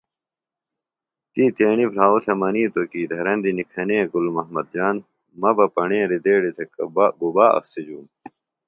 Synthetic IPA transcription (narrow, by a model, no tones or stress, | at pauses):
t̪iːt̪eːɳipʰɾaːot̪ʰemɐniːt̪okiːd̪ʱɐɾɐnd̪inikʰɐneːɡulmɐɦmɐd̪̚d͡ʑaːn | mɐbɐpɐɳẽːɾid̪eːɽit̪ʰekbɡubaːɐ̰fsid͡ʑuːn